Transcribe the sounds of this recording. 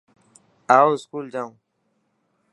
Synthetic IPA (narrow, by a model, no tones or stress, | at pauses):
aːoɪskuːld͡ʑaũ